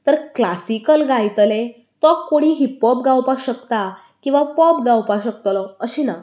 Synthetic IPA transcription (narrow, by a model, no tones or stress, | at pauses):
t̪əɾklasikəlɡajt̪le | t̪ɔkːoɽ̃iɦipɔp̚ɡawpaɕəkt̪a | kĩw̃ʋapɔpɡawpaɕəkt̪lɔəɕiːna